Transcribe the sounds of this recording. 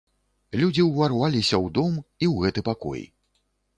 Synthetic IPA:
lʲud͡zʲiwvarvalʲisʲɐwd̪ɔmiwɣɛt̪ɨpakɔ̰j

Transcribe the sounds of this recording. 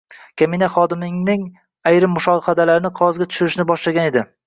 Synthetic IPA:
kʲʰaminaχɒd̪ɪmɪŋnɪŋ | ajɾɪmːʊʃɒhad̪alaɾɪnɪqʰɒzɡʲat̪ʰʊ̥ʃʊɾɪʃnɪbɒʃlaɡʲane̞d̪ɪ

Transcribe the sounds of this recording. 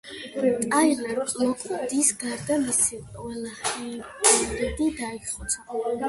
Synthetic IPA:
t̪ʼajlamɔkʼd̪isɡaɾd̪amisiqʼwɛlaχiɾɛd̪id̪aiχɔ

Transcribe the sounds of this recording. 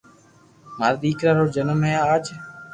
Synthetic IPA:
maːd̪iːkɾaːɾoːd͡ʒənəmɦẽːaaːt͡ʃ

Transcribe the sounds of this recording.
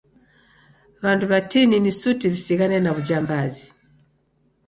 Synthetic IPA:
βanduβatininisutivisiɣanɛnaβud͡ʒambazi

